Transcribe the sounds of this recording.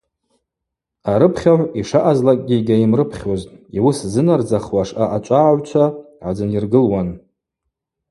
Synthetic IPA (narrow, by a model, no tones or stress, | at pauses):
aɾɨpʰχʲaʕʷiʂaʔazlakʼɡʲiɡʲaimrɨpʰχʲoztʼiwʊszɨnard͡zaχwaʂaʔat͡ʃʷʼaːʕʷt͡ʃʷʰa | ʕad͡zɨnirɡɨlwan